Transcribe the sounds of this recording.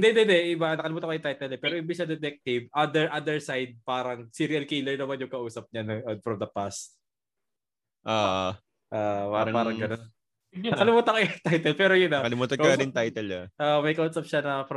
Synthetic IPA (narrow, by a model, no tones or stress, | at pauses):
nd̪ɛnd̪ɛnd̪ɛʔɪbanɐkɐlɪmuːt̪ɐkɐjʊt̪ajt̪ɛlɛpɛːɾoʔɪmbisɐd̪ɛt̪ɛk̚t̪ɪvʔad̪ɛɹʔad̪ɛɹsajd̪̚paːɾɐŋsiɾiɐlkiːlɛɹnɐmanjʊŋkɐʔuːsɐp̚ɲanod̪fɾɐmd̪ɐpast̪̚ | ʔaː | ʔaːpaːɾɐpaːɾɐŋɡɐnon | ɐkkɐlɪmuːt̪ɐkɐjʊt̪ajt̪ɛlpɛːɾojʊnɐkɐlɪmuːt̪ɐkɐnɪnt̪ajt̪ɛlɐʔoʔmɐjkɐʔuːsɐp̚ʃanɐfɾɐ